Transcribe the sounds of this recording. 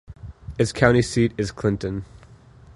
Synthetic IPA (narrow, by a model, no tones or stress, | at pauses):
ɨtskʰãʊ̃ñisiɾɨz̥kʰl̥ɪ̃ntɨ̃n